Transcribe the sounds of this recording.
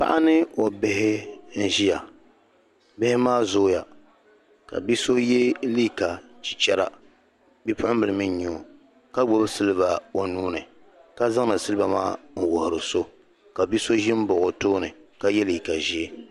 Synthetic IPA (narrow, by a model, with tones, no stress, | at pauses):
pa̰˦ʔa˦nɨ˦o˨bɪ˦ɦɪ˦n̩˦ʒi˦ja˨ | bɪ˦hɪ˦maː˦zoː˦ja˨ | ka̰˨bi˦so˦je˦liː˦ka˨t͡ʃi̥˨t͡ʃɛ˦ɾa̰˦ | bi˦pʊ˦ʊ˦bɨ˨lɨ˨mɨ˦ɲ˦ɲu˨ | ka˦ɡ͡bo˦bsɨ˦lɨ˦ba˨o˨nuː˦nɨ˨ | ka˦za˦ŋ˦nɨ˨sɨ˦lɨ˦ba˨maː˦ŋ̩˨wʊ˨hʊ˨ɾɨ˨so˦ | ka˨bi˦so˦ʒɪ˦m˦bʊ˨ɣʊ˨toː˦nɨ˨ka˦jɛ˦li˨ka˨ʒi˦e˦